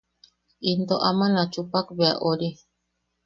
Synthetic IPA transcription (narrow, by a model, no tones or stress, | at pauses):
ind̪oʔamanat͡ʃupakbeaʔoɾi